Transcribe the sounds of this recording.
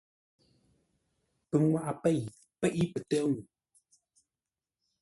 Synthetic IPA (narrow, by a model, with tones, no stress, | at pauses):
pə˨ŋwa˦ʔa˨pɛ˦˨j | pɛ˦˨ʔi˦pə˨tə˦ŋ˨